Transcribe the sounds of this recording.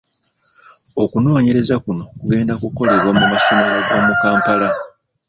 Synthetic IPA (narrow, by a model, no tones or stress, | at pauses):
o̞kuno̞ːɲe̞ɾe̞zakuno̞kuɡe̞ːndakuko̞le̞βwamumaso̞meɾaɡo̞ːmukaːmpala